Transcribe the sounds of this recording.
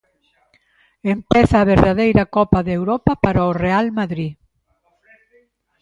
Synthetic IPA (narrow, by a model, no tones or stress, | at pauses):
empɛθaːβeɾðaðejɾakɔpaðewɾɔpapaɾaorealmaðɾi